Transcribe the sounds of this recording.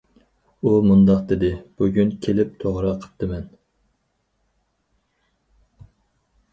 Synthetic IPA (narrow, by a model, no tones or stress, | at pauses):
umund̪ɑqd̪ed̪ɪb̥uɡʲynkʲʰelɪp̚t̪ʰoʁɾɑqʰə̥p̚t̪ʰɨmɛn